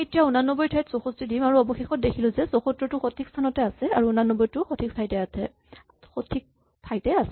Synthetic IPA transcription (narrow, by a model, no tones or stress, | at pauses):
etijaunanːɔbɔjtʰajtsoxostidimaɹuɔbɔxexɔt̚dekʰilʊ̃zɛsoxotɹɔtʊxotʰikstʰanɔtɛasɛaɹuunanːɔbɔjtʊxotʰik̚pʰajtɛatʰɛ | xotʰik̚ | pʰajtɛasɛ